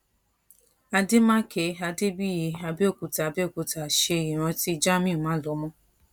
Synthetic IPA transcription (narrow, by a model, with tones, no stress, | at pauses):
a˧de˦mã˦kʰe˧˦a˧de˦bi˦ji˨˧a˧be˦o˦˨ku˨ta˨be˦˨ku˨˧ta˨ʃe˧˨i˨ɾ̃ɔ̃˧ti˦d͡ʒa˦mĩ˦˨mãː˨˦lɔ˨˦mɔ̃˦